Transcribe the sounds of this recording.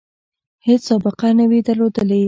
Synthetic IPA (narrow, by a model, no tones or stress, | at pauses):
het͡ssɑbəqanawid̪əɾlod̪əle